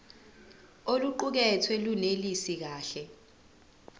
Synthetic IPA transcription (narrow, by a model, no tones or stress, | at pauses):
oluǃuk̬ɛtʰwelunelisik̬aːɬɛ